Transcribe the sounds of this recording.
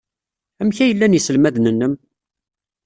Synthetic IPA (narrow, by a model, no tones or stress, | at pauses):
æmçæjəlːænjisəlmæðnənːəm